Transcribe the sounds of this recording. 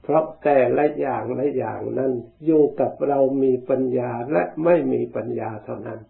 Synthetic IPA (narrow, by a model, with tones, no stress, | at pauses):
pʰɾɔ˦˥t̪ɛː˨˩lɛ˨˦jaː˨˩ŋla˦˥ja̰ː˨˩ŋna˦˥˨n | juː˨˩ka˨˩p̚ɾa˧wmiː˧pa˧njaː˧lɛ˦˥ʔma˥˩jmiː˧pa˧njaː˧t̪ʰa˦˥˩wna˦˥n